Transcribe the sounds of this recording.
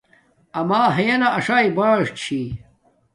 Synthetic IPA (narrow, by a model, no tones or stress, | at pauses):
ɐmaːɦɐjɐnɐʔɐʂaːjbaːʂt͡ɕʰi